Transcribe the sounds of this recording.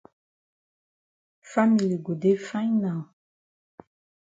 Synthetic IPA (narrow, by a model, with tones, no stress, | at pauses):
fa˦mi˨li˨ɡo˨de˦fã˦ɲnã˨